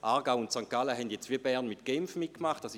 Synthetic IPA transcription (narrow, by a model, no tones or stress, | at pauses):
ʔaʁɡaʊʊntsaŋkaləɦɛndjɛt͡stʋiːɐbɛʁnmitɡ̥ɛmfmit̚kmaχt̚d̥as